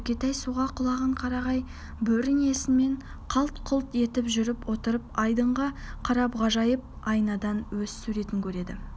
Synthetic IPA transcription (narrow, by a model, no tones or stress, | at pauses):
kʲe̞t̪ɑjsuʁɑqʰʊlˠɑʁəɴqʰɑɾɑʁɑj | bɵɾɪne̞sɪnme̞ɴ | qʰɑlˠt̪qʰʊlˠt̪e̞t̪ɪpʒʏɾɪpwo̞t̪əɾəpɑjd̪əɴʁɑqʰɑɾɑpʁɑʒɑjəp̚ɑjnɑd̪ɑnwɵzsʉɾe̞t̪ɪŋkʲʰɵɾe̞d̪ɪ̰